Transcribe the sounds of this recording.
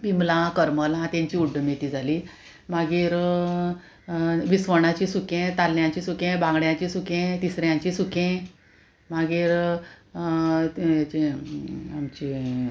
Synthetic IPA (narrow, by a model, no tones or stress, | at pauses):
bimlãkəɾməlãt̪jãɲt͡ɕiuɖːəmet̪iːd͡zʱaliː | maɡiːɾ | ʋisʋəɳ̃at͡ɕĩsukẽt̪alːjãt͡ɕisukẽbʱãŋɡɽjãt͡ɕisukẽt̪isɾjãɲt͡ɕisukẽ | maɡiːɾ | t͡ɕi | amt͡ɕi